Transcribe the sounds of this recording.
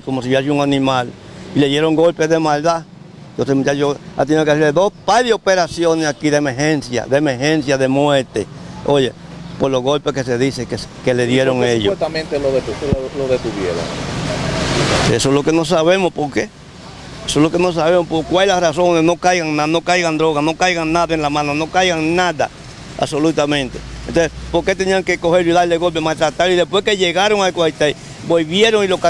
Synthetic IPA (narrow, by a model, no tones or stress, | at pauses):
komos̬iβasuŋanĩmal | ileðjeɾoŋɡolpeðemald̪a | t̪osemjajoa̰t̪̬jenekesiled̪ospajðeopeɾasjonesakiðemeɾhensja̰ðemeɾhensjaðemweɾt̪e | oje | poɾlohɣolpehkes̬eðisekeskeleðjeɾoŋejot̪amẽnt̪eloðet̪uloðet̪uβjeɾa̰ | esoeslo̞keno̞s̬aβe̞mospo̞ɾke | esoslo̞ke̞no̞s̬aβe̞mospoɾkwalelarasonesno̞kajɣaŋnano̞kajɣand̪ɾo̞ɣasno̞kajɣaŋnaðaenlamãnono̞kajɣaŋnaða̰ | a̰βso̞lut̪amẽ̞nt̪e̞̥ḛ̃nt̪onsespo̞ɾke̞t̪e̞niaŋke̞ko̞he̞ɾliðaleɣo̞lp̬emalt̪ɾat̪aɾoiðehpweske̞ʝeɣaɾoŋalkoait̪ai | boβje̞ɾoŋilo̞ka